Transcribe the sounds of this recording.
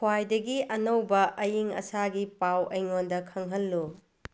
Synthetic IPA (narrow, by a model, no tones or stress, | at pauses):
kʰwajdɐɡiʔɐnɐwbɐʔɐjiŋɐ̰saɡipawɐjŋondɐkʰɐŋɦɐlːu